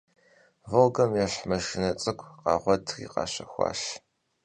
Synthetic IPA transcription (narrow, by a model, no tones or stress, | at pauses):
vɐlɡɐmjɛɬmɐʂɪnɐt͡sʼɨkʷʰʼqɑːʁʷɔdxḭːqɑ̰ːɕɐxʷɑ̰ːʃ